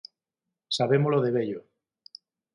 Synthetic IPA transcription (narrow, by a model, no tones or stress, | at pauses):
saβemoloðeβeʎo